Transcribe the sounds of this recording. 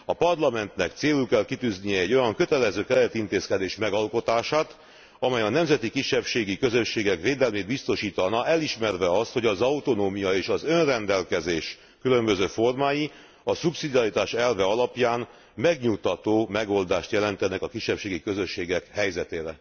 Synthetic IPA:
ɒpɒrlɒmɛnt̪nɛkt̪seːlukɛlkit̪yːznijɛːɟːo̞jɒŋkø̞t̪ɛlɛzøːkɛɾɛt̪int̪eːskɛd̪eːʃmɛɡɒlko̞t̪aːʃaːt̪ | ɒmɛjɒnɛmzɛt̪ikiʃːɛpʃeːɡikøzø̞ʃːeːɡɛkʋeːd̪ɛlmeːd̪bist̪o̞ʃiːt̪ɒnɒʔɛliʃmɛrvɛɒst̪ho̞ɟɒzɒut̪o̞noːmijɒeːʃɒzø̞nrɛnd̪ɛlkɛzeːʃ | kylø̞mbø̞zøːfo̞rmaːji | ɒsupsid̪iɒɾit̪aːʃɛlvɛɒlɒpjaːn | mɛɡɲukt̪ɒt̪oːmɛɡo̞ld̪aːʃt̪jɛlɛnt̪ɛnɛkɒkiʃːɛpʃeːɡikøzøʃːeːɡɛkhɛjzɛt̪eːɾɛ

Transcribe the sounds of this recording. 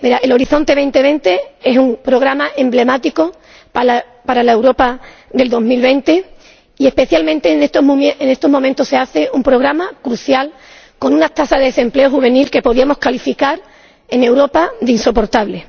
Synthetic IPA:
miɾaʔe̞lo̞ɾiθo̞nt̪e̞β̞e̞nt̪e̞β̞e̞nt̪e̞e̞sumpɾo̞ɣɾamaʔe̞mble̞mat̪iko̞ | pa | paɾalae̞wɾo̞paðe̞ld̪o̞ɦmilβe̞nt̪e̞ | ie̞hpe̞θjalmẽnt̪enet̪omʔenest̪o̞ɦmo̞mẽnt̪ose̞aθe̞ʔumpɾo̞ɣ̞ɾamakɾuθjal | ko̞nũnat̪asaðeðese̞mple̞oxuβ̞e̞nilke̞po̞ðiamo̞skalifikaɾ | e̞ne̞wɾo̞paðeinso̞po̞ɾt̪aβle̞

